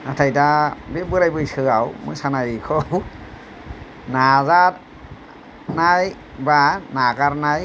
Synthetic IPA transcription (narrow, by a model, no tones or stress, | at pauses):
natʰajtabebɯɾajbɯjsɯawmɯ̰jsanajikʰɔw | nazat | naj | banakaɾnaj